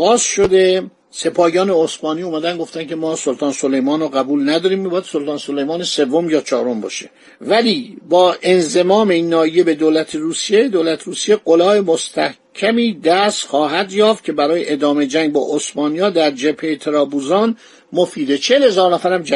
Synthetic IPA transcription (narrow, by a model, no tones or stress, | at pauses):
ɣɒːzʃo̞d̪e̞ | se̞pʰɒːjɒːne̞osmɒːniːuːmæd̪ænɡo̞ft̪ænkʲʰemɒːsolt̪ʰɒːnsolejmɒːnoɣæbuːlnæd̪ɒːɾiːmmibɒːjæd̪so̞lt̪ʰɒːnsolejmɒːnese̞vːomjɒːt͡ʃʰɒ̰ːɾo̞mbɒ̰ːʃe | væliːbɒːʔe̞nze̞mɒːme̞inːɒːije̞be̞d̪oːlæt̪ʰeɾuːsijed̪oːlæt̪ʰɾuːsije̞ɡolɒːemo̞st̪ʰæh | cʲʰæmiːd̪æst̪xɒːɦæd̪jɒːft̪̚cʰe̞bæɾɒːjeʔed̪ɒːme̞d͡ʒæŋɡ̚bɒːʔosmɒːnijɒːd̪æɾd͡ʒepʰːejt̪ʰeɾɒːbuzɒːn | mofiːd̪et͡ʃʰelhe̞zɒːɾnæfæɾæmd͡ʒæ